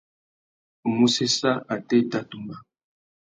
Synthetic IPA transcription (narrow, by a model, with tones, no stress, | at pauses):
o˨mu˦se˦sa˦a˨te˦ta˦tu˨mba˨